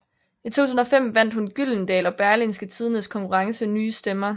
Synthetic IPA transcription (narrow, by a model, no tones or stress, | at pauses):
it͡sʰo̝̰t͡sʰusn̩ɒ̽fem̰ʋæn̰d̥hunɡ̥ylnd̥ɛ̰ːlɒ̽b̥æɐlinsɡ̥ət͡sʰiːð̞ˠənəskʰɒ̽ŋkʰuʁɑ̈ŋsənyːsd̥emɐ